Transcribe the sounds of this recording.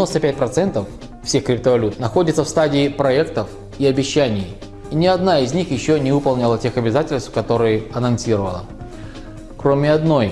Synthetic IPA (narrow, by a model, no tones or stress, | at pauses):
no̞st̪əpʲæt̚ʲpɾɐt̪sɛnt̪əfː | sʲexkɾʲɪp̚t̪əvɐlʲut̪nɐxo̞dʲɪt̪səfst̪adʲɪːpɾɐɛkt̪əf | iɐbʲɪɕːænʲɪj | inʲɪɐd̪naɪzʲnʲixjɪɕːonʲɪvɨpɐlˠnʲɪlˠətʲe̞xɐbʲɪzatʲɪlʲst̪fkɐt̪o̞ɾɨjəɐnɐnsʲiɾəvə̰lˠə̰ | kɾomʲɪɐd̪no̞j